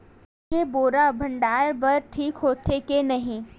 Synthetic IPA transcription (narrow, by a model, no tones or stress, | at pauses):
keboːɾabʱɐ̃ɳɖaːɾbɐɾʈʰiːkɦoːt̪ʰekenɐɦĩ